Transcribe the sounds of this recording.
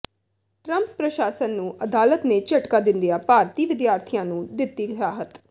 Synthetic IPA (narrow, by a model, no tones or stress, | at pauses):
ʈɾəmppɾəʃaːsənːũːʔəd̪aːlət̪nẽːt͡ʃəʈkaːd̪ɪ̃nd̪ijaːpaːɾt̪iːʋɪd̪jaːɾt̪ʰijãːnũːd̪ɪt̪ːiːɡʱɾaːɦət̪